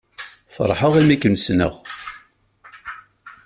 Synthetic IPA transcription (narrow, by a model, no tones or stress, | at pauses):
fə̰ɾˤħəʁimikːənsnə̰ʁ